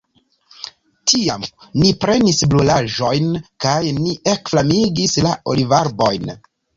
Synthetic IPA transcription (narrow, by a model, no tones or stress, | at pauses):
tʰiamnipɾe̞nisblulaʒo̞jnkajniʔe̞kflamiɡislao̞̰livaɾbo̞jn